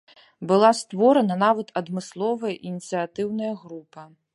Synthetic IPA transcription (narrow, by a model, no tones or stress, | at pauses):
bɨlˠast̪vɔɾɐnɐnavɐt̪ʰɐd̪mɨslˠɔvɐjɐʔinʲit̪sɨjat̪ɨwnɐjɐɣɾupɐ